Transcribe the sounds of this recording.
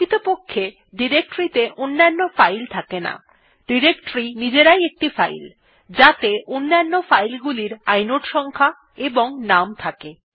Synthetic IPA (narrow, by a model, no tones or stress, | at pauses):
it̪opokʰːe | ɖiɾek̚ʈɾit̪eʔonːanːofajlt̪ʰakena̰ | ɖiɾekʈɾinid͡ʑeɾajek̚ʈifajl | d͡ʑat̪eʔonːanːofajlɡuliɾajnoʈʃɔŋkʰa | eboŋnamt̪ʰake